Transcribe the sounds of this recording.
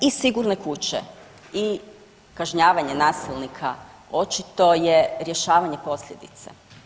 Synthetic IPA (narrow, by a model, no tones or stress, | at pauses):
isiɡuɾne̞kut͡ɕḛ | i | kaʒɲaːʋaɲe̞naːsilˠnikʰa̰ | o̞t͡ʃit̪o̞jeɾjeʃaːʋaɲe̞po̞sʎʲe̞d̪it̪sḛ